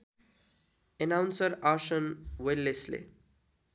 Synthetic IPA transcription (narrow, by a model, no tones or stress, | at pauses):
enawnsʌɾaɾsənwelːeslḛ